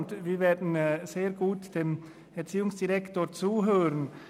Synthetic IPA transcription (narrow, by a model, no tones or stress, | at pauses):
t̪ʋiʋɛd̪n̩seːɾɡuːt̪d̪̥ɛm | æɾsiːʊŋsd̪ɪɾɛkt̪oɾt͡suːɦøːɾən̩